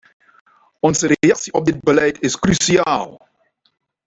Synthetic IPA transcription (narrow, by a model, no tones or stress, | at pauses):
ɔnzəɾejɑksiʔɔb̚dɪd̚bəlɛjtɪskrysiaːlˠ